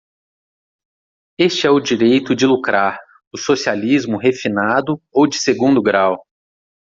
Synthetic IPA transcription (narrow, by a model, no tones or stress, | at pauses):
est͡ʃɪɛʊd͡ʒiɾejt̪ʊd͡ʒɪlukɾaɾ | ʊsosializmʊɦefinad̪ʊowd͡ʒɪseɡũnd̪ʊɡɾaw